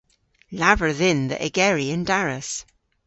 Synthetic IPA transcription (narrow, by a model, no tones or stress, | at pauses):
lavə˞ðɪ̃nðə̰ʔɪɡɛɹiə̃ndaɹəs